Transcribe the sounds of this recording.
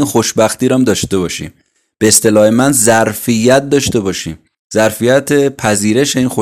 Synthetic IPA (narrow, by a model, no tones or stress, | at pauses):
inxo̞ʃbæxt̪iːɾɒmd̪ɒːʃt̪e̞βɒːʃḭːm | b̥eːst̪e̞lɒːhe̞mænzæɾfijæt̪̚d̪ɒːʃt̪e̞bɒːʃḭːm | zæɾfijæt̪ʰepʰæziːɾe̞ʃe̞iːnxo